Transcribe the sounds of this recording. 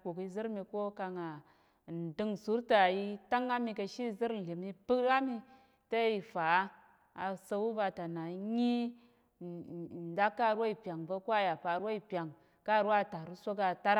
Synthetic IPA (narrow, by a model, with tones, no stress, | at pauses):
ku˨ki˧zɨ˦ɾmi˧ko˦ka˧ŋa˨ | n̩˨dɨ˦ŋsu˨˦ɾta˨i˦ta˦ŋa˦mi˧kə˧ʃi˦˨zɨ˦ɾn̩˨li˨mi˧pɨ˦kɾa˦mi˧ | ta˦i˨fa˨˦ | a˨sə˧wu˦va˧ta˨na˨˦ɲi˦˨ | n˨da˦kːa˦˨ɾwo˦i˨pʲa˨ŋvə˧kʷa˦˨ja˨pa˨ɾwo˦i˨pja˨ŋ | ka˦˨ɾa˦˨ta˨ɾu˦sʷo˦ka˨ta˦ɾ